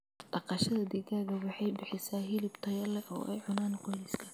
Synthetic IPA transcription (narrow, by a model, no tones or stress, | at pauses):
d̪̥ɑqɑʃɐðɐd̪iɣaːɣɐwɑħɑjbɪħɪsaːɦɪlɪbt̪ʰɐjɐlɛʔɔ̰ːʔɛ̰jʕʊnaːnqɔjlɪskʰɐ̥